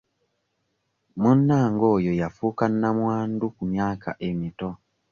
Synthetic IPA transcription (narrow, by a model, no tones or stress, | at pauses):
munːaːŋɡoːjojafukanːamwaːndukumjaːka̰ʔemito